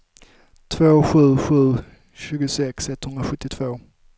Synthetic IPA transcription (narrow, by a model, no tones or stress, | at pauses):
t̪ʰvoːɧʉ̟ːɧʉ̟ː | ɕʉ̟ːɡʊsɛksɛt̪ːhɵnd̪ɾaɧɵt̪ːɪt̪ʰv̥oː